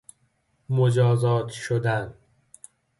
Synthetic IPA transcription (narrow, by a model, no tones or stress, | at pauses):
mod͡ʒɒːzɒːt̪ʰʃod̪æn